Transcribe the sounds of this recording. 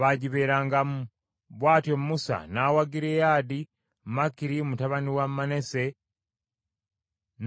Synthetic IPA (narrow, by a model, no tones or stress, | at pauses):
βaɟiβeːɾaːŋɡau | βwaːtjomumusa̰nawaɡiɾejaːdi | makiɾimutaβaniwammːanese | n